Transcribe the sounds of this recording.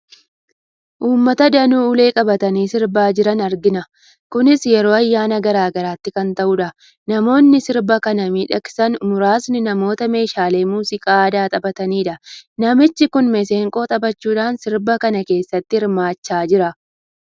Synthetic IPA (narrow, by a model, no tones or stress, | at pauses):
ʔuːmːɐt̪ɐd̪ɐnuːle̞ːkʼɐbɐt̪ɐniːsɪɾbaːd͡ʒɪɾɐnɐɾɡɪnɐ | kʊnɪsjɛɾo̞ːɐjːaːnɐɡɐɾaːɡɐɾaːt̪ːɪkɐnt̪ɐʔʊᶑɐ | nɐmo̞ːnːɪsɪɾbɐkɐnɐmiːᶑɐksɐnmʊɾaːsnɪnɐmo̞ːt̪ɐme̞ːʃaːle̞ːmuːsɪkʼaːd̪aːt̪ʼɐbɐt̪ɐniːᶑɐnɐmɪt͡ʃːɪkʊnmɛseːŋkʼo̞ːt̪ʼɐbɐt͡ʃːuːᶑaːnsɪɾbɐkɐnɐke̞ːsːɐt̪ːɪhɪɾmaːt͡ʃːaːd͡ʒɪɾɐ